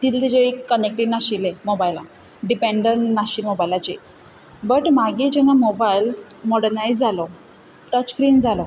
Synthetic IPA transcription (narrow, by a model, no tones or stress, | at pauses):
t̪iːlt̪it͡ɕeikːənek̚ʈiɳnaɕilemobajla | ɖipeɳɖənaɕiːlmobajilat͡ɕe | bəʈmaɡid͡ʑɛnamobajlmɔɽnajd͡zalɔ | ʈət͡ɕkɾiːnd͡zalɔ